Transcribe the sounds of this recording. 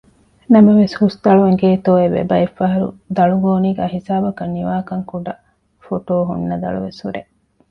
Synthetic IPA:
nɐmɐʋeshust̪ɐɭuʋeŋɡeːt̪oːeʋḛbɐifːɐɦɐɾṵd̪ɐɭuɡoːniːɡæːɦisaːbɐkɐnːiʋaːkɐŋkuɖɐ | foʈoːɦṵnːɐd̪ɐ̰ɭṵʋeshṵɾḛ

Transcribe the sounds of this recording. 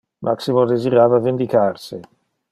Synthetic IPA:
mʔaksimod̪eziɾaːvavend̪ikarsɪ

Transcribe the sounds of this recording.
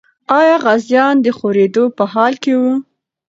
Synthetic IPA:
ɑjɑɣazjɑnd̪əxoɾed̪opəɦɑlkewu

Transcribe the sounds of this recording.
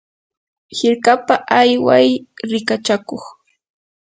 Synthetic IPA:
hɪɾkapaʔajwajɾɪkat͡ʃakoχ

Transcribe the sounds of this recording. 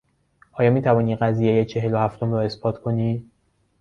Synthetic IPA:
ʔɒːjɒːmiːt̪ʰævɒːniːɢæziːjejet͡ʃʰe̞ɦe̞lohæft̪ʰo̞mrɒːe̞sbɒːt̪ʰkʰo̞niː

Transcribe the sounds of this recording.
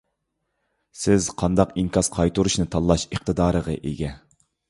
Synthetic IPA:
sɪzqʰɑnd̪ɑqiŋkʰɑsqʰɑjt̪ʰuɾuʃnɨt̪ʰɑlˠːɑʃeqt̪ɨd̪ɑːɾəʁə̰ʔeɡʲɛ

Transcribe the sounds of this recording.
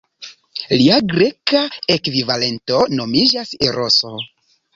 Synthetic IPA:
liaɡɾe̞kaekvivale̞nto̞no̞mid͡ʒaseɾʔoso̞

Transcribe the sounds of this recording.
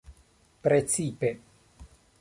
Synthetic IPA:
pɾet͡sipe

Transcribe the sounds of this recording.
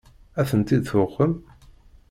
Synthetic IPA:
æθənt̪id̪θʊqːəm

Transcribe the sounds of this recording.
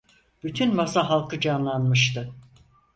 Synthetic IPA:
b̥yt̪ʰynmasaɦalˠkʰɯd͡ʒanlˠanmɯʃt̪ɯ

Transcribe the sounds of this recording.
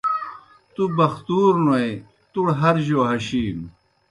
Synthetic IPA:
t̪ubɐxt̪uːɾnuɐj | t̪uɽɦɐɾʑoːɦɐɕiːm

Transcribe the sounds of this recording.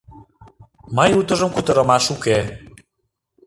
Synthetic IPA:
məjut̪ə̆ʒə̆mkut̪ə̆ɾə̆mɑʃuke

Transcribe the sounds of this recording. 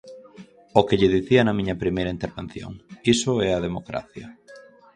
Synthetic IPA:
okeʎɪðiθiɐnɐmĩɲɐpɾimejɾɐint̪eɾβen̟θjo̰ŋisʊɛɐð̞emokɾa̰θjɐ

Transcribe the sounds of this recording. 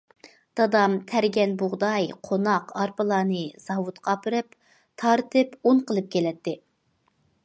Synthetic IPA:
d̪̥ɑd̪ɑmt̪ʰæɾɡʲɛnbʊʁd̪ɑjqʰonɑqɑɾpɨlˠɑːnɨz̥ɑwut̪qʰɑːpʰɨɾɨp | t̪ʰɑɾt̪ʰɨpunqəlˠɨp̚kʲʰelɛt̪ːɪ

